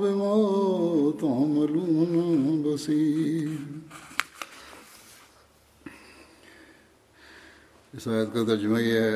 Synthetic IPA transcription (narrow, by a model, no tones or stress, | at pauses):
bemoː | t̪ãmɐluːmnabɐsiː | ɪsaːjət̪kat̪ɐɾd͡ʒmaɛ